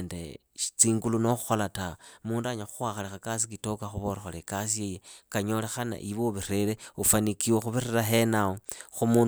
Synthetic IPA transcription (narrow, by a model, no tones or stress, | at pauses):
ndḛ | i̥t͡siːŋɡuluno̞xuxolatamuːndaɲaxuxwaxalixakas̬ikito̞kaxuβorexolekasijejekaɲo̞lexana̰ʔiβoβiɾeɾeufanikiwexuβireɾaɦenaoxumun